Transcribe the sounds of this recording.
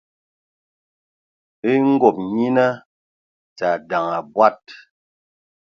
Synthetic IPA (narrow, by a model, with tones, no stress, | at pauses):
i˦ŋ̩˦ɡɔ˨p̚ɲi˦na˦ | t͡sa˨da˨ŋa˨bwa˦˨t̚